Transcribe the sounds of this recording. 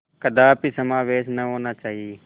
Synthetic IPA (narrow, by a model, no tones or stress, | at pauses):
kəd̪aːpisəmaːʋeːʃnəɦoːnaːt͡ʃaːɦieː